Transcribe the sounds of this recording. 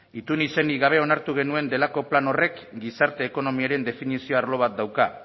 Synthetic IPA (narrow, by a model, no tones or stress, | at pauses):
it̪unise̞niɣaβ̞e̞o̞naɾt̪uɣ̞e̞nue̞nd̪e̞lako̞plano̞re̞kɡisaɾt̪e̞ːko̞no̞miaɾe̞nd̪e̞finisio̞aɾlo̞β̞at̪̚d̪awka